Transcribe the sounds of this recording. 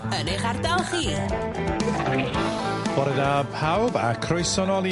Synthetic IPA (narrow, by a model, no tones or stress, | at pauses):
əneχardalˠχiː | b̥ɔɾɛdapʰawbakʰrʊjsɔnɔlˠj